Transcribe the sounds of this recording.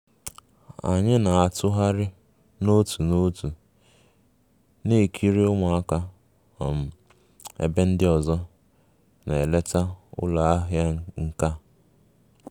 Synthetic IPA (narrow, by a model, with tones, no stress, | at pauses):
a̰˨ɲɪ˦na˨a˨tʊ˦ɦa˦ɾɪ˦ | no˦tʰu˨no˦tu˨ | ne˦˨kʰi˦ɾi˦ʊ˦ŋa˨a˦ka˦ | ɔ̰˨m̩˨ | ḛ˦be˦n̩˦dɪ˦ɔ˨zɔ˦ | ne˨e˨le˦ta˦ʊ̰˦la˨a˦ɦja˦ŋ̩˦ka˦